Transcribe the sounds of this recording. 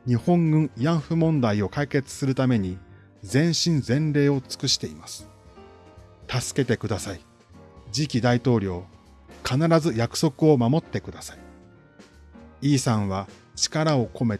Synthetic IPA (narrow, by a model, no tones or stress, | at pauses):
ɲ̟ihõ̞ŋɡɯ̟̃ɰjãɰ̃ɸɯ̟mõ̞nd̪aio̞kaike̞t͡sɨ̥sɨɾɯ̟t̪ame̞ɲ̟i | d͡zẽ̞ɰ̃ɕĩnd͡zẽ̞nɾe̞ːo̞t͡sɨ̥kɯ̟ɕi̥t̪e̞imasɨ̥ | t̪asɨ̥ke̞t̪e̞kɯ̟d̪asai | d͡ʑikʲid̪ait̪o̞ːɾʲjo̞ː | kanaɾazɨjakɯ̟̥so̞kɯ̟o̞mamo̞t̪ːe̞kɯ̟d̪asai̥ | iːsãɰ̃βa | t͡ɕi̥kaɾao̞ko̞me̞